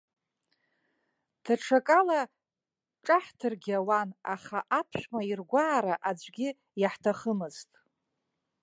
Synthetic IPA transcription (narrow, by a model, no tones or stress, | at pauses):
d̥ʰaʈ͡ʂʰakʼala | ʈ͡ʂʼaħtʰɨrɡʲawana̰χaʔapʰʃʷmairɡʷaːɾaʔad͡ʒʷʼɡʲɪ | jaħtʰaχəmɨztʼ